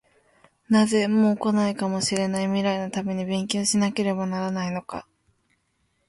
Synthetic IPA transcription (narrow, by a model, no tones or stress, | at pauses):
naze̞mo̞ːko̞naikamo̞ɕiɾe̞naimʲiɾainot̪ame̞ɲ̟ibẽ̞ŋkʲoːɕinake̞ɾe̞banaɾanaino̞ka̰